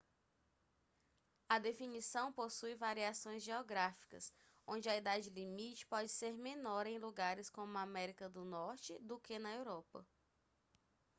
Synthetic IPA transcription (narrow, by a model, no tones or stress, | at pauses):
ɐd̪efinisɐ̃w̃posujvaɾiasõj̃zʒeoɡɾafi̥kɐ̰s | õd͡ʒɪɐid̪ad͡ʒɪlimit͡ʃɪ̥pɔd͡ʒɪseɾmẽnɔɾẽj̃luɡaɾɪskõmʊamɛɾikɐd̪ʊnɔɾt͡ʃɪd̪ʊkenɐewɾɔpɐ̰